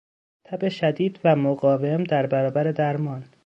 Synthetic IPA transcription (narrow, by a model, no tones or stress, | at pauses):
t̪ʰæbe̞ʃæd̪iːd̪væmoɡɒːvemd̪æɾbæɾɒːbæɾe̞d̪æɾmɒːn